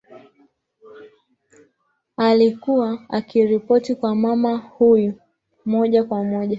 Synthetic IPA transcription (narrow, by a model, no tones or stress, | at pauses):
alikuwaakiɾipɔtikwamamahuju | mɔʄakwamɔʄa